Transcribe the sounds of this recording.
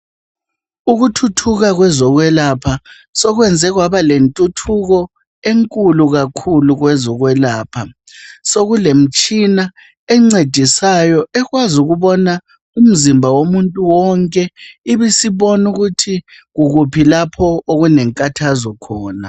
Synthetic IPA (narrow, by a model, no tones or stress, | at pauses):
uɣutʰutʰuɣaɣwɛzɔɣwɛlapʰa | sɔɣwɛnd͡zʱɛɣwaβalentʼutʰuɣɔ | eŋkʼuluɣakʰuluɣwɛzɔɣwɛlaːpʰa | soɣulem̩t͡ʃʼina | ɛŋ͡ǀed̥ʱisajɔɛɣwazuɣuβɔna | um̩zimbʱawomuntʼuwɔŋkʼɛiβisiβɔnuɣutʰi | ɣuɣupʰilapʰɔoɣunɛŋkʼatʰazɔkʰɔːna̰